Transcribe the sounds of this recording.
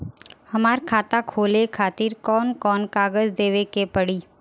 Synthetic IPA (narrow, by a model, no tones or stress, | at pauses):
hɐmaːɾkʰaːt̪akʰoːlekʰaːt̪iːɾkɔːnkɔːnkaːɡəzd̪eːʋekepɐɽiː